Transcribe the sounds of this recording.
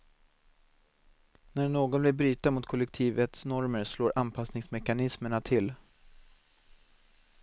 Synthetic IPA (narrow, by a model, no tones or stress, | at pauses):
næɾɳoːɡɔnb̪lɪlbɾyːt̪amʊt̪kʰɔlːɛk̚t̪ʰiːvət̪snɔɾməɾsloːɾʔanpʰasnɪŋsmɛkanɪsməɳat̪ʰɪl